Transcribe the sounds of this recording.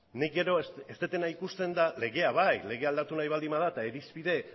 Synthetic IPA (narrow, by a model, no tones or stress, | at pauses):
nik̚ɡe̞ɾo̞est̪et̪e̞naikust̪e̞nd̪ale̞ɣe̞aβajle̞ɣe̞ald̪at̪unajβald̪imað̞at̪aeɾispiðe̞